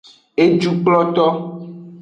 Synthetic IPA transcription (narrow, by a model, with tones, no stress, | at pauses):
e˦d͡ʒu˨k͡plɔ˦t̪ɔ˦